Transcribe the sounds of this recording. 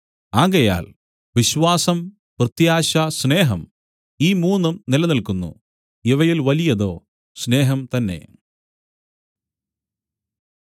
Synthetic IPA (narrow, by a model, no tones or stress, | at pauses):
aːɣɐja̰ːl | ʋiɕʋaːsɐm | prɨt̪jaːɕɐsne̞ːɦɐm | iːmuːnːumnilɐnilkunːṵ | iʋɐjilʋɐlijɐðo̞ː | sne̞ːɦɐmt̪ɐnːe̞̰